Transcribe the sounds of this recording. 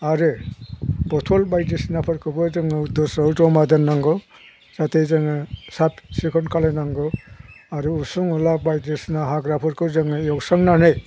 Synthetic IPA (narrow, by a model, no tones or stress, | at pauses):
aɾɯ | bɔtʰɔlbajdisnapʰɔɾkʰɯbɯzɯŋɯdɔsɔwzɔmad̪ɯnːaŋɡɔ | satʰejzɯŋɯsapsikʰɔnkʰalajnaŋɡɯ | aɾɯusuŋulabajdisnaɦaɡɾapʰɔɾkʰɯzɯŋɯjɔksaŋnanɯj